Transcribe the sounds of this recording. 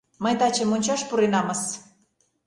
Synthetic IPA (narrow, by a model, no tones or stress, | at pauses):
məjt̪ɑt͡ɕəmonʲt͡ɕɑʃpuɾenɑməs